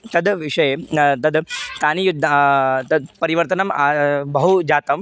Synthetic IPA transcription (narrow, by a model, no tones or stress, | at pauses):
t̪ɐd̪ʋiʂɐjet̪ɐd̪t̪anijud̪ʱːat̪ɐd̪pɐɾiʋɐɾt̪ənɐmabɐɦud͡ʑat̪ɐm